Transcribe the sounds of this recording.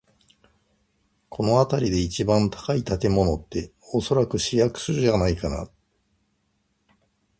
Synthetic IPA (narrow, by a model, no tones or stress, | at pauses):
kʰo̞no̞at̪aɾʲid̪e̞it͡ɕibãnt̪ḁkait̪at̪e̞mo̞no̞t̪ːe̞ | o̞so̞ɾakɯ̟ɕijakɯ̟̥sɨɾɯ̟ʑanaikana̰